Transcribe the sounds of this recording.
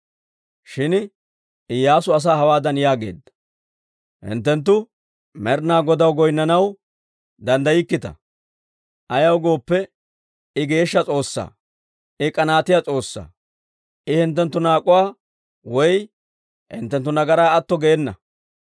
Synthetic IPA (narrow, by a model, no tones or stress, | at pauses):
ʃɪn | ɪjaːsʊɐs̬aːɦɐwaːd̪ɐnjaːɡe̞̰ːd̪ːɐ̥ | hɪ̰nt̪ːɛnt̪̬ːʊ | mɛɾnaːɡɔd̪ɐwɡɔjnːɐnɐw | d̪ɐnd̪ɐjɪkːɪt̪ɐ̰ | ʔɐjɐwɡo̞ːpːɛ | ɪɡe̞ːʃːɐt͡sʼo̞ːsːa̰ː | ɪkʼɐnaːt̪ɪjat͡sʼo̞ːsːa̰ː | ʔɪhɪnt̪̬ːɛnt̪ːʊnaːkʼʊwaː | wɔj | hɪ̰nt̪ːɛnt̪̬ːʊnɐɡɐɾaːɐt̪ːɔɡɛːnːɐ̰